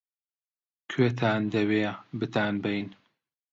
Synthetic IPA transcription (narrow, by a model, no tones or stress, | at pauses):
kʰeːt̪ʰaːnd̪ɐweːbɨt̪ʰaːnbɐjn